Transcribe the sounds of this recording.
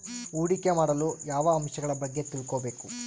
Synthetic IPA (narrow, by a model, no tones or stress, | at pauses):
uːɽikemaːɽɐlujaːʋɐːmʃɐɡɐɭɐbɐɡːe̞t̪ilkoːbe̞ːku